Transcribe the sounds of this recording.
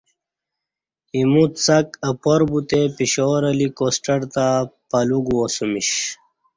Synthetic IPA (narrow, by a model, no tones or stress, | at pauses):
imut̪sɐkɐpoɾbut̪epiɕoɾɐlikosʈɐɾt̪apɐluɡuosumiɕ